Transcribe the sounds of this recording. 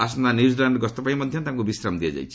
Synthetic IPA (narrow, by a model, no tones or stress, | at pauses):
as̬nanizilaɳɖɡɔst̪ɔpaĩmɔd̪ʱjɔnt̪ãŋkubisɾamd̪ijad͡ʒa̰jt͡ʃʰi̥